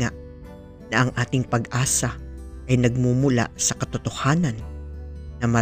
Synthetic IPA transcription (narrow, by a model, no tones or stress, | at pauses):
aʔ | nɐʔɐŋʔaːt̪ɪŋpɐɡʔaːsɐʔɐjnɐɡ̚mumʊla̰sɐkɐt̪ot̪ohaːnɐnː | ɐmɐ